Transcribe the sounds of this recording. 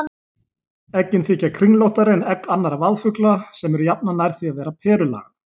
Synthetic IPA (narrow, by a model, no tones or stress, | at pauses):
ɛcːɪnθiːhcakʰɾiŋlowht̪aɾɪnɛkːanːaɾavaðfʏklasɛmɛɾʏjap̚nanajɾ̥θiavɛːɾapʰɛːɾʏla̰ːɣa